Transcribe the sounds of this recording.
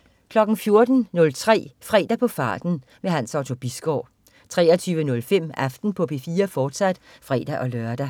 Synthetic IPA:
kʰlɒ̽ɡ̥n̩fjo̝ɐd̥n̩nɔ̽lt͡sʰʁɛ̰ːfʁɛ̰ːd̥æpʰɒ̽fɑ̈ːd̥n̩ | meɦænsɑ̈ʊt͡sʰo̝b̥isɡ̥ɒ̰ː | t͡sʰʁɛ̰ːɐt͡sʰyːʋənɔ̽lfem̰æfd̥n̩pʰɒ̽pʰe̝fiːɐfɒːd̥sæd̥fʁɛ̰ːd̥æʔɒ̽lɶɐd̥æ

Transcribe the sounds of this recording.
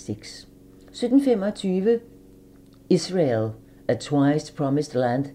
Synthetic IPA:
sɪɡ̥s | sød̥n̩femɒt͡sʰyːʋə | isʁel | æt͡sʰwaɪspʰɹɒmisd̥lænd̥

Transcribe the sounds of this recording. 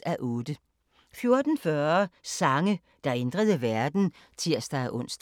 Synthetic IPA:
æʔɔːd̥ə | fjo̝ɐd̥n̩fɶɐsɑ̈ŋə | d̥ɑ̈e̝nd̥ʁəð̞ˠəʋæɐd̥n̩ | t͡sʰiɐ̰sd̥ɑʔɔ̽n̰sd̥

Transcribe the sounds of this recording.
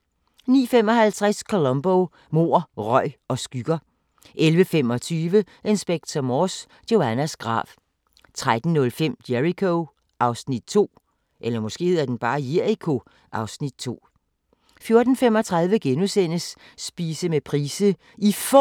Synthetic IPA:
nḭːfem̰ɒ̽ɦælt͡sʰʁaskʰo̝lɔ̽mb̥o | mo̝ːɐ̰ʁɒɪ̰ɒ̽sɡ̥yɡ̥ɐ | ʔelʋəfem̰ɒ̽t͡sʰyːʋə | ʔe̝nsb̥eɡ̥̚t͡sʰɐmɒs | d̥o̝ænæsɡ̥ʁɑ̰̈ːʋ | t͡sʰʁad̥n̩ːɔ̽lfem̰d̥jeʁikʰo | ʔɑ̈ʊsnid̥̚t͡sʰo̝̰ː | ʔelɐmɒ̽sɡ̥e̝̰ːð̩̰ˠæɐd̥enb̥ɑ̈ːjeɐikʰo̝ | ʔɑ̈ʊsnid̥̚t͡sʰo̝̰ː | fjo̝ɐd̥n̩fem̰ɒ̽t͡sʰʁɑ̈ðˠʋəɡ̥enusen̰əsː | b̥iːsəmepʰʁiːsə | if

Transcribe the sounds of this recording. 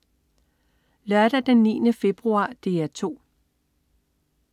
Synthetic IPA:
lœɐd̥æd̥enːḭːnəfe̝b̥ʁuɑ̰̈ːd̥e̝̰ːæt͡sʰo̝̰ː

